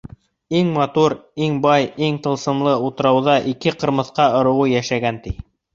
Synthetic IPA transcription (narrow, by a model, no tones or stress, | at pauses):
iŋmɑt̪uɾiŋbɑjiŋt̪ɤ̆lˠsɤ̆mlˠɤut̪ɤ̆ɾɑwðɑʔikɘqɤ̆ɾmɤ̆θqɑŏɾɤ̆wɤjæʃæɡænt̪i